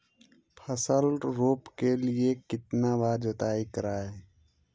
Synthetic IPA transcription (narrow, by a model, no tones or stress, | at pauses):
pʰəsəlɖɾoːpkeliekɪt̪naʋaːd͡ʒət̪aːikəɾaːeː